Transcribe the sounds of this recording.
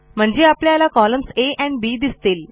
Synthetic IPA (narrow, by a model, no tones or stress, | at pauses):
m̤əɳd͡ʑeapljalakɔləmseʔɛ̃ɳbid̪ist̪eːl